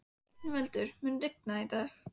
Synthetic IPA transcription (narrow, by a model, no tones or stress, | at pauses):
nvɛlt̪ʏɾ̥mʏnrɪk̚nait̪aːx